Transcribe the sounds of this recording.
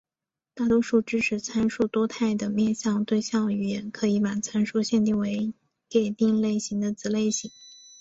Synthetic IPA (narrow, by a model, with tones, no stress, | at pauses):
t̪a˥˩t̪wɔ˥ʂu˥˩ʈ͡ʂɻ̩˥ʈ͡ʂʰɻ̩˧˥t͡sʰa˥nʂu˥˩t̪wɔ˥t̪ʰa˥˩ɪd̪ə˩mjɛ˥˧nɕjɑ˥˧ŋt̪we˥˧ɪɕjɑ˥˩ŋy˨˩jɛ˧˥nkʰɤ˧˥i˧˥pa˨˩t͡sʰa˥nʂu˥˧ɕjɛ˥˧nt̪i˥˩we˧˥ɪ | ke˨˩ɪt̪i˥˧ŋle˥˩ɪɕi˧˥ŋd̪ə˧t͡sɹ̩˧˥le˥˩ɪɕi˧˥ŋ